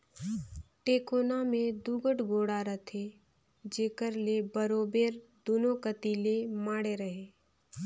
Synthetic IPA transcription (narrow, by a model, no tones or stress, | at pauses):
ʈeːkoːnamẽd̪uɡəʈɡoːɽaɾət̪ʰe | d͡ʒeːkəɾlebəɾoːbeːɾd̪unokət̪ilemaːɽeɾəɦeː